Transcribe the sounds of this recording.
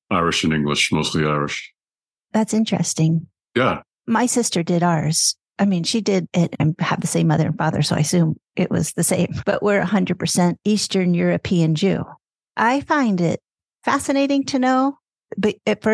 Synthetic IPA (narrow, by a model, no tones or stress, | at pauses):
aɪɹɨʃɨ̃nɪ̃ŋɡlɨ̰ʃmoʊstˡliaɪɹɨʃ | ðætsɪ̃nt͡ʃɹ̥ɨ̰stɪ̃ŋ | jæ | maɪsɪstə˞dɪɾɑ˞z̥ | ʔaɪmĩnʃidɪɾɪɾãɪɨ̰vðɨsẽɪ̃mʌðə̰˞ɨ̃nfɑðə̰˞soʊa̰ɪsʉ̃mʔɪ̰ʔwʌ̰z̥ðɨsẽɪ̃mb̥ʌ̰ʔwɪɹɨhʌ̃ndɹɨd̚pʰə˞sɛ̃nt̚istə̃˞njʊɹɨpʰiɨ̃nd͡ʒʉ̰ | ʔaɪfãɪ̃ndɪ̰t̚ | fæsɨneɪɾɪ̃ŋtʰɨnoʊ | bʌɨtfə˞